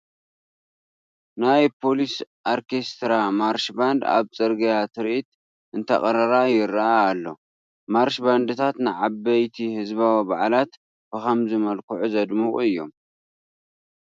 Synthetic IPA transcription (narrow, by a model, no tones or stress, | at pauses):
najpʰo̞lisʔoɾkʰe̞st̪ɾamaɾʃband̪a̰βt͡sʼɨɾɡɐjat̪ʰɨɾʔit̪ | ʔɨnt̪ʰɐ̰kʼɐɾɐɾajɪɾaaːlːo̞̰ | maɾʃband̪ɨt̪ʰat̪nɨʕabɐjt̪ʰihɨzβawibaʕlat̪ | b̥ɨxɐmzɨmɐlkʰuʕuzɐd̪muχʼɨjːo̞̰m